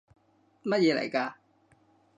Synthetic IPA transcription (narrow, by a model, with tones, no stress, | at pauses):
mɐ˥t̚jɛː˨˧lɐ̰˨˩jkaː˧